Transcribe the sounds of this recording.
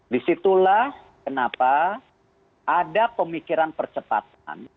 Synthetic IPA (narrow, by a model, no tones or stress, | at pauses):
disit̪ulah | kənapa | ʔadapəmikiɾanpərt͡ʃəpa̰t̪̚a̰n